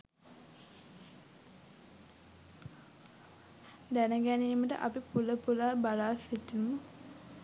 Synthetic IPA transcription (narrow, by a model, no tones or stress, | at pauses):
d̪ænəɡæniːməʈə̰ʔa̰pipuləpulaːbalaːsiʈːinmə